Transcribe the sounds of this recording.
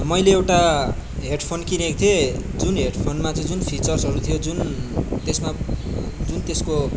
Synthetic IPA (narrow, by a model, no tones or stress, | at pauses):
mʌjleewʈaɦeɖpʰonkinekt̪ʰied͡zunɦeɽpʰonmat͡sʌĩd͡zunpʰit͡sʌrsʌɾut̪ʰijod͡zunt̪esma | d͡zunt̪esko